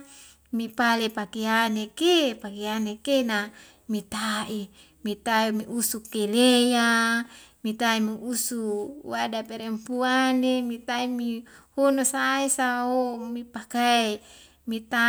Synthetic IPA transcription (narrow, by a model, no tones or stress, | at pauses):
mipalepakeanekepakeanekena | mit̪aʔi | mit̪aimiusukeleja | mit̪aimiusuwadapeɾempuanemit̪aimihonosaisaomipakae | mit̪a